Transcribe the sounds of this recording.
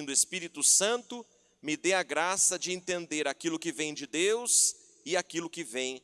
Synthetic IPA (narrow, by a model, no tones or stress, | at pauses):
d̪ʊespiɾit̪ʊsɐ̃nt̪ʊ | mɪd̪eaɡɾasɐd͡ʒɪẽnt̪ẽnd̪eɾakilʊkɪvẽj̃d͡ʒɪd̪ewz | ɪakilʊkɪvẽj̃